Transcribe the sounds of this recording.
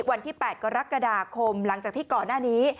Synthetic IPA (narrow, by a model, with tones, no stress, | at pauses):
wa˧nt̪ʰiː˥˩pɛː˨˩t̪̚ka˧ɾa˦˥ka˧daː˧kʰo˧mla˩˦ŋt͡ɕaː˨˩k̚t̪iː˥˩kɔː˨˩nːaː˥˩niː˦˥